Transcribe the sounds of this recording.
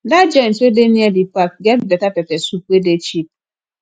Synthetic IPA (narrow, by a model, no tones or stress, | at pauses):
dad͡ʒen̩tedeniedipak̚ɡɛnbetapepesupʷedet͡ʃip̚